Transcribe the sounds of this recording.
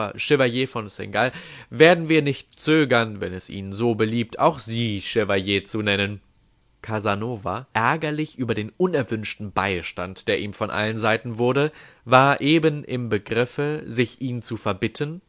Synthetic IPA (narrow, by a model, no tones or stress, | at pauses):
ɐʃɪvajeːfɔnsɛ̰ŋɡalveːɐdn̩viːɐnɪçt̚t͡søːɡɐnvɛ̰nɛsʔḭːnənzoːbəliːp̚tʰa̰ʊxz̥iːʃɪvaljeːt͡sunɛnən | kʰazanoːva̰ʔɛɐɡɐlɪçʔyːbɐdeːnʔʊnɛɐvʏnʃtn̩baɪʃtantd̥eːɐʔiːmfɔnʔa̰lənzaɪtn̩vʊɐɾəvaːɐʔeːbənʔɪ̰mbəɡʁɪfəzɪçʔiːnt͡sufɛɐbɪtʰən